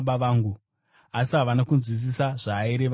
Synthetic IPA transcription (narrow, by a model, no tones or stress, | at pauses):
ɓaʋaːŋɡu | asiɦaʋanakunzwis̬isaʐ̥aːeɾeʋ